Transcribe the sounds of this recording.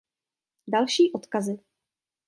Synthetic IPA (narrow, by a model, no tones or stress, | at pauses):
dalʃiːʔot̪kazɪ